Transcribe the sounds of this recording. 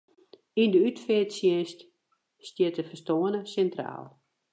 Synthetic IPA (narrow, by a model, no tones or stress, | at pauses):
indəytfɪːtsjɪst | stjɪtəfəstoənəsɛntra̰ːlˠ